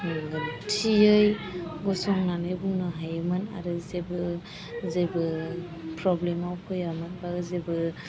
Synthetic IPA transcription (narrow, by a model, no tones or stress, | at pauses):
tʰiɯjɡɔsɔŋnanɯjbuŋnɯɦajɯmɯna̰ɾɯzebɯ | zebɯ | pʰɾɔblemawkʰɯjamɯnbaɡzebɯ